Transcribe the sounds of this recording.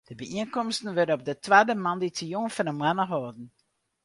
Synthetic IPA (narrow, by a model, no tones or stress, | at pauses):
d̥əbəʔiənkɔmstən̩ʋødənɔp̚dətʋaːdəmɑnditijonfənəmwanəɦɔːdn̩